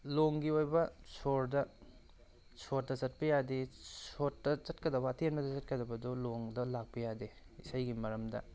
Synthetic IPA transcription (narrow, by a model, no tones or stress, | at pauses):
loŋɡiojbɐsoɾdɐ | sʰot̚dɐzɐt̚pɐjadesotːɐzɐtkɐdɐbɐːtenbɐdɐzɐt̚kɐdɐbɐdoloŋdɐlak̚pɐjade | isajɡimɐɾɐmdɐ̰